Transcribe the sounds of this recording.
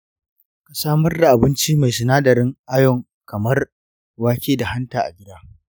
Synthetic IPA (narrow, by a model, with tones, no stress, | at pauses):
ka˨saː˦mɐ˦rda˨ʔa˨bɪ˦nt͡ʃiː˦ma˨jsʊ˨naː˦dɐ˨ɾɪ˦ŋʔa˦jɔ˨ŋ | kɐ˨mɐ˦r | waː˦kʲeː˦da˨ha˦ntaː˨ʔa̰˨ɡʲɪ˦daː˦